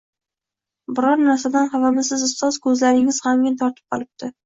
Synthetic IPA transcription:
bɪɾɒɾnaɾs̬ad̪anχavamɪzsɪzɪst̪ɒzkʰɵzlaɾɪŋɪz̥hamɡʲat̪ʰɒɾt̪ʰɪ̥p̚qʰɒlˠɪp̚t̪ɪ

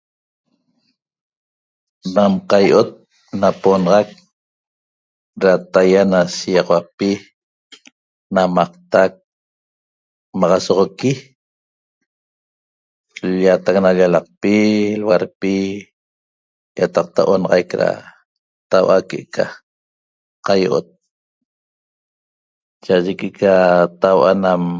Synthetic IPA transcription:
namqɑjʔot̪̚ | naponʁɑk̚ | ɾat̪ajanasijɑʁɑwapi | namɑqt̪ak̚ | mɑʁɑsoʁoki | lʎat̪ak̚naʎalɑq̚pilwaɾpi | jat̪ɑq̚t̪aʔonɑʁɑjkɾa̰ | t̪awʔakeʔka | qajoʔo̰t̪̚ | t͡ʃaʔaʒekeʔkʰat̪awʔanam

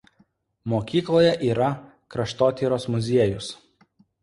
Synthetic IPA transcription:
moːkʲiːklˠoːjɛʔiːɾɐ | kɾɐʃt̪oːt̪ʲiːɾoːsmʊzʲiɛjʊs

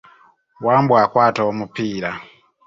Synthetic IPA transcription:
wambuakwataɔmupiːɾa

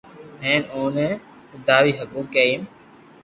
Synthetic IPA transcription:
ɦẽːnoːnẽː | ʊd̪aːʋiːɦəkuːkːeːim

